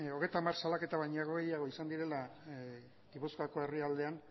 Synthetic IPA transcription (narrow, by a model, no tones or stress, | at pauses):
o̞ɣ̞e̞jt̪amaɾsalake̞t̪aβajɲaaɣoɣe̞jaɣ̞o̞isand̪iɾe̞la | ɡiβuskako̞e̞riald̪e̞an